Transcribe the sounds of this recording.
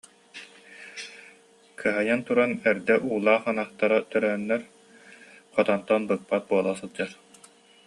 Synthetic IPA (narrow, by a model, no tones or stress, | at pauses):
kʰɯɦajant̪uɾanɛɾd̪ɛʔuːlˠaːχanaχt̪aɾat̪œɾœnːɛɾ | χɔt̪ɔnt̪ɔnbɯk̚pat̪̚buɔlˠasɯlˠd͡ʑaɾ